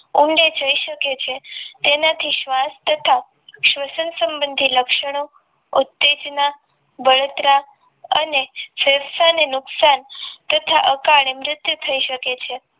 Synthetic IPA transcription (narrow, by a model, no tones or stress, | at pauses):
uɳɖed͡ʒəiʃəket͡ʃʰet̪enat̪ʰiʃʋast̪ət̪ʰa | ʃʋəsənsəmbənd̪ʱiləkʃəɽ̃o | ut̪ːed͡ʒna | bəɭot̪ɾa | ənefeɾsanenʊksant̪ət̪ʰaʔəkaɭemɾɪt̪jut̪ʰəiʃəket͡ʃʰe